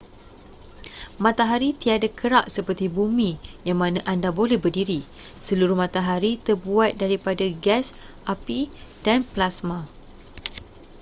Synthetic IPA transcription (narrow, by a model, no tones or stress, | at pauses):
mãt̪aɦaɾit̪iadakʰəɾaʔsəpərt̪ibumĩjaŋmãnãʔandabolɛhbərdiɾisəluɾʊhmãt̪aɦaɾit̪ərbuat̪̚daɾipadaɡɛs | ʔapid̥anplasmã